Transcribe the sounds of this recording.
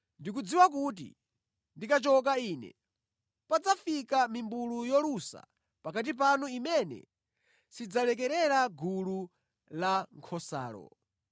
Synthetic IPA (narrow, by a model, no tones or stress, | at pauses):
ndik̬ud͡ziwak̬ut̬ḭ | ndikat͡ʃɔk̬aiːnɛ̰ | pad͡zafikamimbulujɔlusa̰ | pakat̬ip̬anuimɛnɛ̰ | sid͡zalɛk̬ɛɾɛɾaɡʱulu | laŋkʰɔsa̰ːlɔ̰